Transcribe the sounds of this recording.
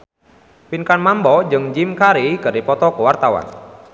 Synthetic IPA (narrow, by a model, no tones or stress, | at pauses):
pinkanmambɔd͡ʒɨŋd͡ʒimkaɾikɨrdipɔt̪ɔkəwart̪awa̰n